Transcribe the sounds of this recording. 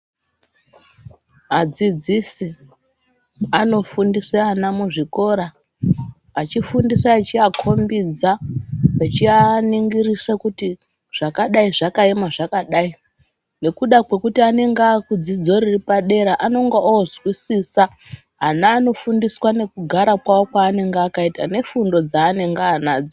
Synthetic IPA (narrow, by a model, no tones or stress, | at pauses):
ɦad͡zid͡zisi | ano̞fundiseanamuʐiko̞ɾaː | t͡ʃifundisaːt͡ʃiakʰo̞mbid͡zaat͡ʃianiŋɡirisakuti | ʐ̥akaɗaiʐakaemaʐakaɗai | ne̞kuɗakwe̞kutiane̞ŋɡakud͡zid͡zo̞ɾiripaɗe̞ɾaʔano̞ŋɡaoozwisisa | ɦanaːno̞fundiswane̞kuɡʱaɾakwao̞kwaːne̞ŋɡeakaitane̞fundo̞d͡zaːne̞ŋɡaːnaːd͡zo